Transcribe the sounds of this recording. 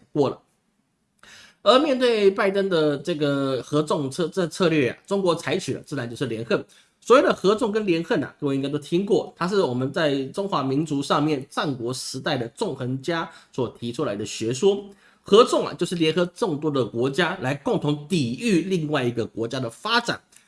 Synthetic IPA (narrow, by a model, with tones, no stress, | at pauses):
kwɔ˥˩lə̰˩ | ə˞˧˥mjɛ˥˧nt̪we˥˧ɪpa˥˩ɪt̪ə˥nd̪ə˨ʈ͡ʂɤ˥˩ɡə˩xɤ˧˥t͡sʊ˥˧ŋt͡sʰɤ˥˧ʈ͡ʂə˥˧t͡sʰɤ˥˧lɥɛ˥˩a̰˩ʈ͡ʂʊ˥ŋkwɔ˧˥t͡sʰa˧˥ɪt͡ɕʰy˨˩lə̰˩t͡sɹ̩˥˩a˧˥nt͡ɕjʂ̩˥˩ljɛ˧˥nxə˥˩n | swɔ˧˥jo˨˩ʊd̪ə˩xɤ˧˥t͡sʊ˥˩ŋk̬ə˥nljɛ˧˥nxə˥˩nɐ̰˩kə˥˩wĩ˧˥ŋa˥ɪt̪o˥ʊt̪ʰi˥ŋkwɔ˥˩t̪ʰa˥ʂ̬ɻ̩˥˩wɔ˨˩mə˨˦nt͡sa˥˩ɪʈ͡ʂʊ˥ŋxwa˧˥mi˧˥nt͡su˧˥ʂɑ˥˧ŋmjɛ˥˨nʈ͡ʂa˥˩nkwɔ˧˥ʂɻ̩˧˥t̪a˥˩ɪd̪ə˩ʈ͡ʂʊ˥˩ŋxə˧˥nt͡ɕja˥swɔ˨˩t̪ʰi˧˥ʈ͡ʂʰu˥la˧˥ɪd̪ə˧ɕɥɛ˧˥ʂwɔ˥ | xɤ˧˥t͡sʊ˥˩ŋɐ̰˩t͡ɕjo˥˧ʊʂɻ̩˥˩ljɛ˧˥nxɤ˧˥ʈ͡ʂə˥˩ŋt̪wɔ˥d̪ə˨kwɔ˧˥t͡ɕja˥la˧˥ɪkʊ˥˩ŋt̪ʰʊ˧˥ŋt̪i˨˩y˥˧li˥˧ŋwa˥˩ɪi˧˥ɡə˧kwɔ˧˥t͡ɕja˥d̪ə˨fa˥ʈ͡ʂa̰˨˩˦n